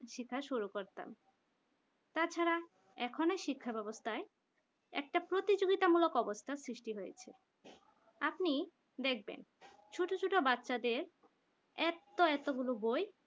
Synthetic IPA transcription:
ʃikʰːaʃuɾukoɾt̪a̰m | t̪at͡ɕʰaɾa | ɛkʰoneʃikʰːabɛbost̪ʰae | ɛ̰k̚ʈapɾot̪id͡ʑoɡit̪amulokɔbost̪ʰasɾiʃʈiɦojḛt͡ɕʰe | apni | d̪ek̚ʰbḛn | t͡ɕʰuʈot͡ɕʰuʈobatːɕad̪eɾ | ɛt̪oɛt̪oɡuloboj

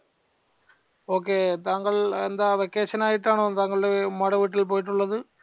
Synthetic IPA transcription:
oːk̬ːeːt̪aːŋɡɐɭɛnd̪ɐʋekːeːʂɐnaːjiʈːaːɳoːt̪aːŋɡɐɭʊɽemɐɽɐʋiːʈːɪlp̬oːjiʈ̬ːuɭːɐðɯ

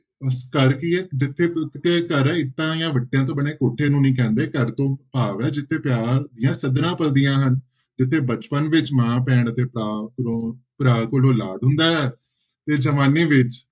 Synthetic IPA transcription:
əskəɾkɪɛːd͡ʒɪt̪ʰːeːkɪt̪ʰːeːkəɾɛ̃ːɪt̪ːãːjãːʋəʈːjãːt̪̬õːbəɳeːkoːʈʰːeːnũːnĩːk̬ɛ̃ːnd̪eːkəɾt̪õːpaːʋɛːd͡ʒɪt̪ʰːeːpjaːɾd̪ɪjãːsəd̪ɾãːpəld̪ijãːɦən | d͡ʒɪt̪ʰːeːbət͡ʃpənʋɪt͡ʃmãːpɛ̃ːɳət̪eːpɾaːkoːpɾaːkolõːlaːɖɦʊ̃nd̪aːɦɛː | t̪eːd͡ʒəmaːniːʋɪt͡ʃ

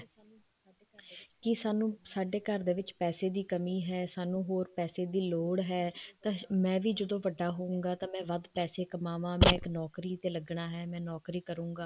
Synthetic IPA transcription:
kɪsaːnũːsaːɖeːkəɾd̪eːʋɪt͡ʃpɛːseːd̪iːkəmiːɦɛːsaːnũːɦoːɾpɛːseːd̪iːloːɽɦɛːt̪ãːmɛ̃ːʋiːd͡ʒəd̪õːʋəɖːaːɦoːũːɡaːt̪ãːmɛ̃ːʋəd̪pɛːseːkəmaːʋãːmɛ̃ːɪknɔːkɾiːt̪eːləɡɳaːɦɛːmɛ̃ːnɔːkɾiːkəɾũːŋɡaː

